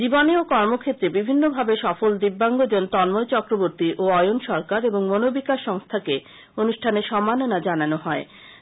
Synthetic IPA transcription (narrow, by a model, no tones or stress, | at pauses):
d͡ʑiboneokɔɾmokʰet̪ːɾebibʱinːobʱabeʃɔfold̪ibːaŋɡod͡ʑont̪ɔnmojt͡ɕɔkɾoboɾt̪iʔoɔjonʃɔɾkaɾeboŋmonobikaʃːɔŋst̪ʰake | onuʃʈʰaneʃɔmːanonad͡ʑananoɦɔe